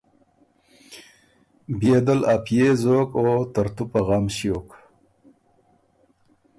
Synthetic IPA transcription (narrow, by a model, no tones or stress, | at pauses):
beːd̪əlapjezoːkoːt̪əɾt̪upaɣɑːmɕjoːk